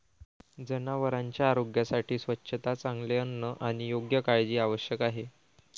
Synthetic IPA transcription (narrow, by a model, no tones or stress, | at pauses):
d͡zənaʋəɾaɲt͡ɕjaːɾoɡjasaʈʰiːsʋətːɕʰət̪at͡saŋɡleənːəʔaɽ̃ijoɡjəkaɭd͡ʑiːaʋəɕjəkaɦe